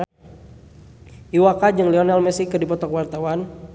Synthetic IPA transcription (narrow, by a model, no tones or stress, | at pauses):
iwakad͡ʒɨŋlɛɔnalmɛsikədipɔt̪ɔkwart̪awan